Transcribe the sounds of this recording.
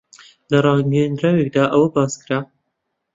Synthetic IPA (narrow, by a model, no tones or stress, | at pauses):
lɐrˤɑːɡend̪ɾaːwek̚d̪aːʔɐwɐbɑːskɨɾaː